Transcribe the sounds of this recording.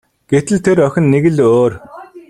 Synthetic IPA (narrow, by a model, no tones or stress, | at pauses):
ɡ̥et̪ɘ̆ɮt̪ʰeɾœxʲɪ̆nːeɣɘ̆ɮoːr